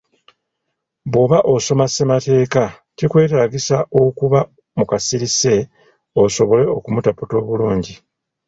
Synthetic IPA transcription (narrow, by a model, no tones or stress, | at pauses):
βoβaʔoso̞mase̞mate̞ːka | cikwe̞ːtaːɡisaʔo̞kuβa | mukasiɾise̞ | oso̞βo̞le̞o̞kumutaputo̞ːβuluːɲɟi